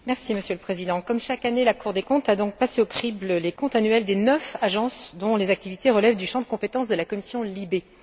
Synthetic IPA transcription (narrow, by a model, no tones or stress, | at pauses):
mɛʁsiməsjøləpχezid̪ɑ̃kɔmʃakanelakuʁd̪ekɔ̃t̪ad̪ɔ̃k̚paseokχibləlekɔ̃t̪anɥɛld̪enœfaʒɑ̃sd̪ɔ̃lezak̚t̪ivit̪eʁəlɛvd̪yʃɑ̃d̪əkɔ̃pet̪ɑ̃s̬d̪əlakɔmisjɔ̃libe